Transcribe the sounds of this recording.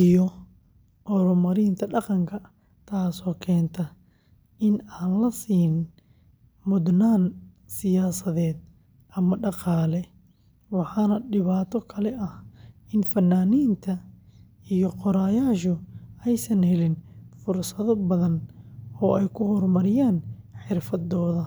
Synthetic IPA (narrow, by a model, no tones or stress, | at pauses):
ijɔ | ʔɔɾʊmɐɾiːnt̪ʰɐɖɑqɑŋkʰɐ | t̪ʰaːsɔːkʰɛːnt̪ʰɐ | ʔɪnaːnlɐsiːn | mʊd̪naːn | sɪjaːsɐðɛːd̪ | ʔɐmɐɖɑqɑːlɛ | wɑħɑːnɐɖɪβaːt̪ʰɔkʰɐlɛʔɐhɪnfɐnːaːniːnt̪ʰɐ | ijɔqɔɾaːjaːʃ̬ɔɛjsɐnhɛlɪnfʊrsɐðɔbɐðɐnɔːʔɛjkʰʊhɔrmɐɾɪjaːnħɪrfɐd̪ɔːðɐ